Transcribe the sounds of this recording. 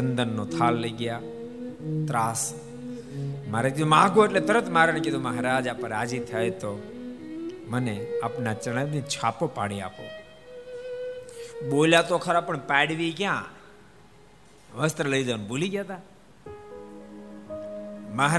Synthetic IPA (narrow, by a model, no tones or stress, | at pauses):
ənd̪ənːot̪ʰaːlləiɡɪjaː | t̪ɾaːs | məɾak̪omãːɡoeʈlet̪əɾət̪maːɾəɳ̃keoməɦɾaːd͡ʒaːpəɾaːd͡ʒit̪ʰəet̪o | məneəpnat͡ʃəɽədẽt͡ʃʰaːpopaːɽia̰ːpo̰ː | ɓoːljat̪okʰəɾapəɳpɛːɽʋikjãː | ʋəst̪ɾələid͡ʒ̪anboːliɡjaːt̪aː | məɦ